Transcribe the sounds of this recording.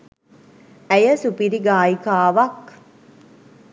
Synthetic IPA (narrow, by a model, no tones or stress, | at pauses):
ɛjɐsupiɾiɡaːjikaːʋɐk